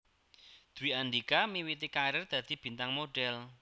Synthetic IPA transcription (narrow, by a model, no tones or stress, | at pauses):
d̪̥ṳwiʔanɖikamiwit̪ikaɾərd̪̥ä̤d̪̥i̤b̥i̤nt̪aŋmoɖ̥ɛl